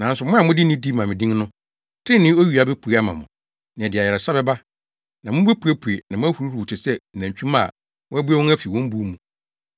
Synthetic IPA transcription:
nã˨˦n˦sʊ˨mʊ̃˦a˨mʊ̃˦dɪ˦nĩ˦di˦˨mã˨mɪ̃˨dĩ˦ŋnʊ̃˦ | tʰɪ̃˦nɪ̃˦o˦ɥi˨a˨be˦pʰu˨a˦mã̰˨mʊ̰̃˨ | nɪ̃˨ɛ˨dɪ˨a˨jɛ˨ɾɛ˨sa˦bɛ˦ba˦ | nã˨mʊ̃˦be˦pʰu˨e˦pʰu˨e˨nã˨mʊ̃˦æ˦hu˨ɾu˦ɾu˨u˨tʰɪ˨sɛ˦˨næ̃˨ɲt͡ɕᶣũ˦ma̰˨ | wɔ̃˦æ˦bu˦ɛ˦wɔ̃˦ŋæ˦fi˨wɔ̃˦m̩˦bu˦mũ˨

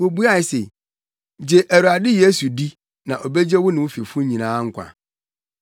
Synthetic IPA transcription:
wo˨bu˦a˦˨ɪ˨sḛ˨ | d͡ʑe˨ʔæ˨ɾu˨a˨dɪ˦je˦su˨di˦ | nã̰˨ʔo˨be˦d͡ʑe˦wʊ˦nɪ̃˨wʊ˦fi˨fʊ˦ɲĩ˨nãː˨˦ŋ̩˦kʷʰã̰˨

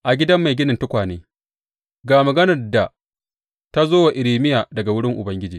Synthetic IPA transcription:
ʔa˨ɡʲɪ˦dɐ˦mːa˨jɡʲɪ˦nɪ˨ntʊ˦kʷaː˨neː˦ | ɡaː˨mɐ˨ɡɐ˦nɐ˨rda˨ | ta˦zoː˦wa˨ʔɪ˨ɾiː˨mɪ˦jaː˨dɐ˨ɡa˨wʊ˦ɽɪ˦ŋʔʊ˨bɐ˦ŋɡʲɪ˦d͡ʒiː˨

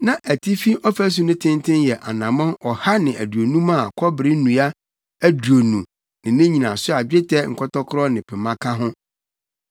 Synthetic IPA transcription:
nã˦ʔæ˨tʰi˦fi˦ʔɔ˦fæ˦s̬ʊ˦nʊ̃˦tʰɪ̃˦n˦tʰɪ̃˦njɛ˨ʔa̰˨nã˨mã˦ɔ˨ha˦nɪ̃˨æ˨du˨o˨nũ˦mã˦˨kʰɔ˦bɪ˨ɾɪ˦nũ˨a˦ | æ˦du˨o˨nũ˨ | nɪ̃˨nɪ̃˦ɲĩ˨nã˨sʊ˦a˨bᶣe˦tʰɛ˦ŋ̩˨kʰɔ˦tɔ˦kʰɾɔ˦nɪ̃˨pʰɛ˨mã˦kʰa˦ɦʊ̃˦

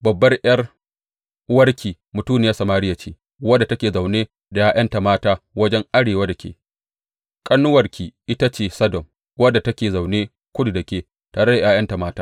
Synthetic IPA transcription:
bɐ˨bːɐ˦rʔɐ˦r | wɐ˦rkʲiː˨ | mʊ˨tuː˦neː˨ja˦sɐ˨maː˦ɾɪ˦ja˨t͡ʃḛː˦ | wɐ˦dːa˨tɐ˦kʲeː˨za˨wneː˦ | da˨jaː˦j̰ɐ˦nta˨maː˦taː˦wɐ˦d͡ʒɛ˦ŋʔa˦ɽeː˨wa˦da˨kʲʰḛ˨ | kʼɐ˦nːʊ˦wɐ˨rkʲʰiː˨ʔɪ˦ta˦t͡ʃeː˨sɐ˦dɔ˨m | wɐ˦dːa˨tɐ˦kʲeː˨za˨wneː˦ | kʷʊ˦du˨dɐ˨kʲeː˨ | taː˨ɽɐ˦da˨jaː˦j̰ɐ˦nta˨maː˦taː˦

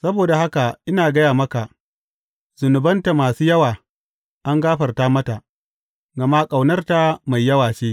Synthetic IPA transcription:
sɐ˦boː˨da˨ha˦ka˨ʔɪ˦naː˨ɡɐ˦jaː˨mɐ˦ka˨ | zʊ˨nʊ˨bɐ˦nta˨maː˨suː˦jɐ˦waː˨ | ʔa˦ŋɡaː˦ɸɐ˨rtaː˦mɐ˦ta˨ʔ | ɡɐ˨ma˦kʼa˨wnɐ˦rta˦ma˨jːɐ˦waː˨ʃeː˦

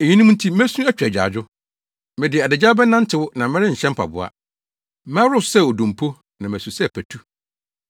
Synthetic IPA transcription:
e˨ɲĩ˦nũ˦ũ˦n̩˦tʰi˦mæ˦sũ˦æ˦t͡ɕᶣæ˨d͡ʑᶣa̰ː˨d͡ʑʊ˦ | mɪ̃˨dɪ˨a˨dɪ˨d͡ʑaː˦bɛ̃˦nã˦n̩˦tʰɪ˨wʊ˦nã˨mɪ̃˦ɾɪ˦ɲ̩˨ɕɛ̃˦m̩˦pʰa̰˨bʊ̰˨a̰˨ | mɛ̃˦ɾʊ˦˨sɛ˦˨ɔ˨dũ˨m˨pʰo˦ | nã˨mæ̃˨su˨sɛ˦˨pʰæ˨tʰu˦

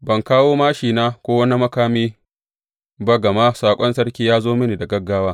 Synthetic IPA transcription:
bɐ˨ŋkaː˦woː˦maː˦ʃiː˨naː˦kʷoː˦wɐ˦ni˦mɐ˦kaː˦miː˦ | ba˦ɡɐ˨ma˦saː˨kʷʼɔ˦nsɐ˦rkʲiː˦jaː˦zoː˦mɪ˦ni˨da˨ɡɐ˦ɡːaː˦waː˦

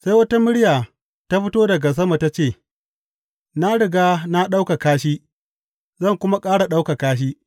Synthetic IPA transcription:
sa˦jwɐ˦ta˦mɪ˦ɽɪ˦jaː˨ | ta˦ɸɪ˦toː˦dɐ˨ɡa˨s̬ɐ˦ma˨ta˦t͡ʃeː˦˨ | na˦ɽɪ˨ɡaː˦na˦ɗa˦wka˨kaː˦ʃiː˦ | zɐ˦˨ŋkʷʊ˦ma˦kʼaː˦ɽa˨ɗa˦wka˨kaː˦ʃ̬iː˦

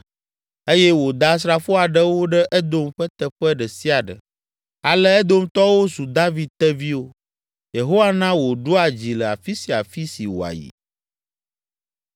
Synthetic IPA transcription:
e˦jɛ˦wo˨d̪a˨s̬ɾa˦fo˦a˨ɖə˦wo˦ɖɛ˦ʔɛ˦d̪o˦mɸə˦t̪ə˦ɸɛ˦ɖə˨si˦a˨ɖə̰˨ | a˨lɛ˦ɛ˦d̪o˦mt̪ɔ˦wo˦su˨d̪a˦vi˨d̪̚t̪ɛ˦vi˦wo˦ | je˨ɦo˦wa˦nã˦wo˨ɖo˦a˨d͡ʑi˨lə˨a̰˨fi˦si˨a˨fi˦si˨wo̰˨a̰˨jḭ˨

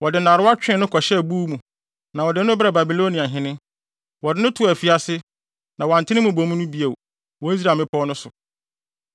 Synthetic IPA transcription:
wɔ˨dɪ˨nã˨ɾʊ˦a˦t͡ɕᶣɪ̃˦nʊ̃˦kʰɔ˨ɕɛ˦˨buː˦mũ˨ | nã˨wɔ˨dɪ˨˦ʊ̃˦bɾa˨ba˨bi˨lo˦nĩ˨a˨ɦɪ̃˨nɪ̃˦ | wɔ˨dɪ˦nʊ̃˦tʰʊ˨a˨fi˦a˨sɪ˦ | nã˨wã˨ntʰɪ˦nɪ̃˦mũ˨bo˨mũ˦nʊ̃˦bi˦e˨w | wɔ˨i˦s̬ɾaː˨mɪ̃˦pʰɔ˦nʊ̃˦sʊ˨

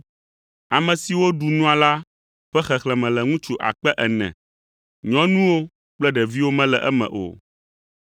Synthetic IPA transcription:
a˨mɛ̃˨si˨wo˦ɖu˨nũ˦a˨la˦ | ɸɛ˦xɛ˨xlɛ̃˨mɛ̃˨lɛ˨ŋũ˦t͡ʃu˨ʔa̰˨k͡pɛ˦ʔɛ˨nɛ̰̃˨ | ɲɔ̃˦nũ˦wo˦ | k͡plɛ˦ɖɛ˨vi˦wo˦mɛ̃˦lɛ˨ʔɛ˦mɛ̰̃˨ʔo̰˨

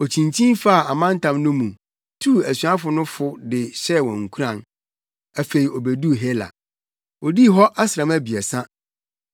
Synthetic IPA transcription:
ɔ˨t͡ɕʰĩ˨ntʰĩ˦nfa˦˨a˨mã˦n˦tʰã˨mnʊ̃˦mũ˨ | tʰu˦˨æ˨sɥã˦fʊ˨nʊ̃˦fʊ˦dɪ˨ɕɛ˦˨wɔ̃˨ŋ̩˨kʰu˦ɾã˨n | æ˨fe˨ɾi˨ɔ˨bæ˨du˦˨ɦe˦la̰˨ | ɔ˨di˦ɦɔ˦ʔa˦sɾã˨mæ˦bi˨ɛ˨sã˦

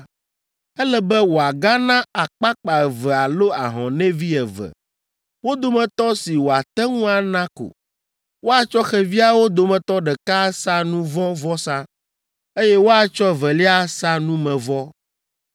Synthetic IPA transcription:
ɛ˦lɛ˦bɛ˦wo˨a˨ɡa˦nã˦a˨k͡pa˦k͡pa˨ɛ˨vɛ˨a˨lo˦a˨ɦɔ̰̃˨nɛ̃˦vi˦ɛ˨vɛ̰˨ | wo˦d̪o˨mɛ̃˨t̪ɔ˦si˨wo˨a˨t̪ɛ˦ŋũ˦a˨nã˦ko̰˨ | wo˦a˨t͡ʃɔ˦xɛ˨vi˦a˦wo˦d̪o˨mɛ̃˨t̪ɔ˦ɖɛ˨ka˦sa˦nũ˦vɔ̃˦vɔ˦sã˦ | e˦jɛ˦wo˦a˨t͡ʃɔ˦˨vɛ˨li˦a˦sa˦nũ˦mɛ̃˨vɔ˦

